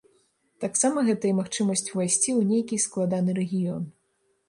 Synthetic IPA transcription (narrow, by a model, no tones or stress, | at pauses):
t̪aksamɐɣɛt̪ɐjɐmaxt͡ʂɨmɐsʲt͡sʲvajsʲt͡sʲiwnʲejkʲisklˠad̪anɨɾɛɣʲijɔn